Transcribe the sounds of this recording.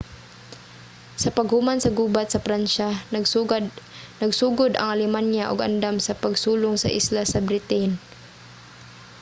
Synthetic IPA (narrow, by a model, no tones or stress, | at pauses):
sɐpɐɡhʊmansɐɡuːbat̪̚sɐpɾanʃa | nɐɡsuːɡʊd̪ɐ̰ŋalɪmanjaʔʊɡa̰nd̪amsɐpaɡsuːlʊŋsɐ̰ʔɪ̰slasɐbɾɪt̪ɪn